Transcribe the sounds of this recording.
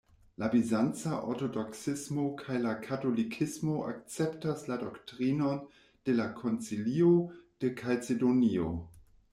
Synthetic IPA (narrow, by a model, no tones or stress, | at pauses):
labizant͡saʔo̰ɾto̞doksismo̞kʰajlakʰato̞likʰismo̞ʔa̰k̚t͡se̞ptasladoktʁino̞n | d̥e̞lakʰo̞nt͡siliod̥e̞kʰat͡sedonio̰